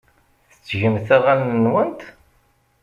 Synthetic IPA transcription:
θə̥t͡sːʝəmθæʁælnwənt̪

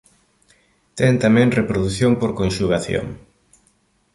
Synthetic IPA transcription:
t̪ɛŋt̪amɛ̃ŋrepɾoðuθjoŋpoɾkonʃuɣaθjo̰ŋ

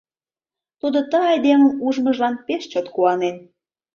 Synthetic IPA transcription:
t̪ud̪ot̪əɑjd̪eməmuʒməʒlɑnpeʃt͡ɕot̪kuɑnen

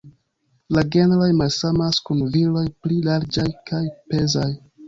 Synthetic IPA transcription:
laɡe̞nɾojmalsamaskunvilo̞jplilaɾd͡ʒajkʰajpe̞zaj

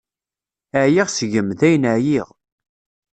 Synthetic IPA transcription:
əʕjiʁsʝəmθæjnəʕjiʁ

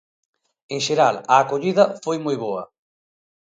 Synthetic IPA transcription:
eŋʃeɾalɐːkoʎiðɐfojmojβoɐ

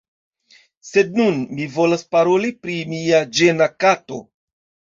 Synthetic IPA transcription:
se̞d̚nunmivo̞laspaɾo̞lipɾimiad͡ʒe̞nakato̞̰

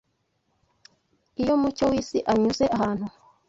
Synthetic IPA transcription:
ijo̞mut͡ʃowiːsiʔaɲuze̞ʔaɦaːn̥hu

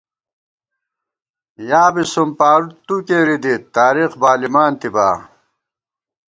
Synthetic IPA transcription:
jaːbisumpaːɾut̪ukeːɾid̪it̪aːɾixbaːlimaːnt̪iba̰ː

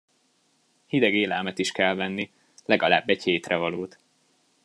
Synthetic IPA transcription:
hid̪ɛɡeːlɛlmɛt̪iʃkɛlvɛnːi | lɛɡɒla̰ːbːɛcheːt̪rɛvɒloːt̪

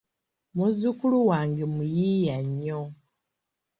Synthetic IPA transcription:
muzikuluwaːŋɡemujijaɲːo

